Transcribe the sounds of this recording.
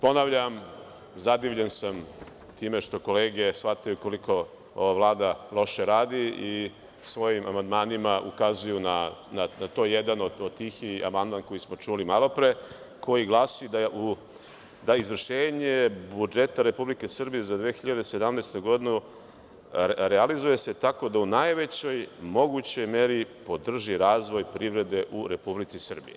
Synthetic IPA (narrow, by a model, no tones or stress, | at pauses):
po̞naʋʎam | zad̪iʋʎensam | t̪iːme̞ʃt̪o̞ko̞leːɡe̞sfat̪ajuko̞likʰo̞ | o̞ʋaʋlˠaːd̪alˠo̞ʃeɾaːd̪ii | sʋo̞jimʔamand̪maːnimaʔṵkazujunananat̪o̞jed̪anod̪od̪̚t̪iːxia̰mand̪manko̞jismo̞t͡ʂulimalo̞pɾe | ko̞jiɡlˠaːsid̪aʔu | d̪aizʋr̩ʃeːɲebud͡ʒe̞t̪aɾe̞publike̞sr̩bije̞zad̪ʋeːxiʎad̪ese̞d̪amnest̪uɡo̞d̪inu | ɾealizuje̞se̞t̪ako̞d̪aunajʋe̞t͡ɕo̞jmo̞ɡut͡ɕo̞jme̞ɾipo̞d̪r̩ʒiɾaːzʋo̞jpɾiʋɾe̞d̪e̞ʔuɾe̞publit̪sisr̩bḭje